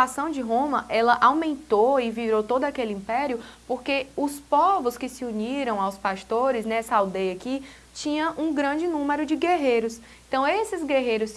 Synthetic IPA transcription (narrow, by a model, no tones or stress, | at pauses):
asɐ̃w̃d͡ʒɪɦõmɐʔɛlɐʔawmẽnt̪oɪviɾot̪od̪ʊakelɪĩpɛɾjʊpoɾkeʊspɔvʊskɪsɪuniɾɐ̃w̃awspaʃt̪oɾɪsnɛsɐawd̪ejɐaki | t͡ʃĩɲɐ̃ʔũɡɾɐ̃d͡ʒɪnũmeɾʊd͡ʒɪɡeɦejɾʊs | ẽt̪ɐ̃w̃esɪzɡeɦejɾʊs